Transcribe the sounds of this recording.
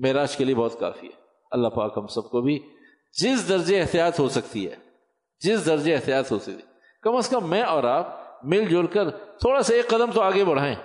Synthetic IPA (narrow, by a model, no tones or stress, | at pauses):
meɦɾaːʃkeliebɔːt̪ka̰ːfḭɦɛ̰ː | ɐlːapa̰ːkɦɐmsɐb̚kobʱi | d͡ʒɪsd̪ɐɾd͡ʒeɪɦt̪ijaːt̪ɦosɐkt̪iɦɛ̰ː | d͡ʒɪsd̪ɐɾd͡ʒeɪɦt̪ijaːt̪ɦoːsɐk̚t̪i | kɐməskəmːɛ̃ɔːɾaːp̚mɪld͡ʒoːlkəɾt̪ʰoːɽaseeːkːɐd̪əmt̪oaːɡebɐɽ̤aːẽː